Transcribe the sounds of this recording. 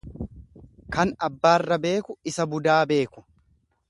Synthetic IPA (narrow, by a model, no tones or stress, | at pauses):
kɐnɐbːaːrːɐbe̞ːkʊɪsɐbʊd̪aːbe̞ːkʊ̥